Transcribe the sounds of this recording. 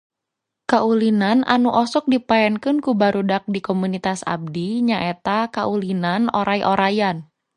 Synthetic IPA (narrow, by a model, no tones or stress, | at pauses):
kaʔulinana̰nuʔɔsɔk̚dipaɛnkɨnkubaɾudak̚dikɔmunit̪asa̰b̚diɲaʔɛt̪akaʔulinanɔɾʔajʔoɾajan